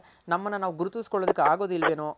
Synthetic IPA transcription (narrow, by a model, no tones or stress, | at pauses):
nɐmːɐnːɐnaːʋuɡuɾut̪iʋsi̥kɔɭːod̪ikːeaːɡoːd̪ilʋeːnoː